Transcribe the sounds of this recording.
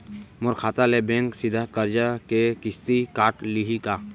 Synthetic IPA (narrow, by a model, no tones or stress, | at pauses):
mʊɾkʰaːt̪alebɛ̃ːŋksɪd̪ʱakəɾd͡ʒakekɪst̪ikaːʈliɦika